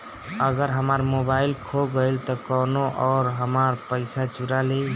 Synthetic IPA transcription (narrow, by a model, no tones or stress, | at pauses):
əɡəɾɦəmaɾmobaɪlkʰoɡəɪlt̪ɔkɔnoʔɔːɾɦəmaɾpəɪsat͡ʃuɾale